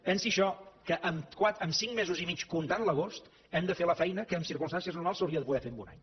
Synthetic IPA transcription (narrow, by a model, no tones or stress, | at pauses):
pɛnsiʃɔkəʔəmkwat̪əmsiŋmezuzimit͡ʃkunt̪anləɣ̞ost̪ | ɛmd̪əfeləfɛjnəkəːmsiɾkunmst̪ansiəznuɾmalˠsːəwɾiəðəpuɣɛfembuna̰ɲ